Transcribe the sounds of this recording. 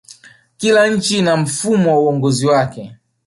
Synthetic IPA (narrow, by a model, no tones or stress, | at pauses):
kilaɲ̩t͡ʃinam̩fumɔuɔŋɡɔziwakɛ